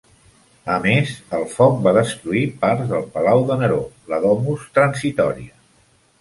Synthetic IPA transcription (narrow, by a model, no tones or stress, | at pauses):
əmezəlˠfɔk̚baðəst̪ɾuipaɾzðəlˠpəlawðənəɾoləðɔmust̪ɾənsit̪ɔɾiə